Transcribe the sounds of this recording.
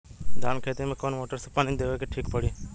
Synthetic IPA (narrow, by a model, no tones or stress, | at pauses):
d̪ʱaːnkʰeːt̪imẽkoːnmoːʈəɾsepanĩd̪eːʋekeʈʰiːkpəɽiː